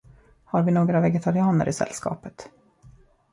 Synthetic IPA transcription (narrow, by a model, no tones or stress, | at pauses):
haɾvɪnoːɡɾavɛɡɛt̪ʰaɾɪɑːnə̰ɾʔɪsɛ̰lːskɑ̰ːpət̪